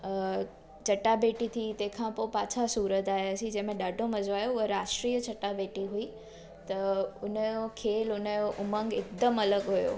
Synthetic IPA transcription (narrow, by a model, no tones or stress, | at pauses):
t͡ɕɐʈabeːʈit̪ʰit̪ɐ̃ɦɪ̃kʰãpopaːt͡ɕʰasuːɾət̪aːɦeɐsĩd͡ʑẽːmẽɗaːɖʱomɐd͡ʑʋaːjoəɾaːʃʈɾiːjət͡ɕɐʈabeːʈiɦui | t̪ɐʊnəjokʰeːlʊnəjoʔʊmə̃ŋɡɪk̚d̪əmɐləɡɦujo̰ː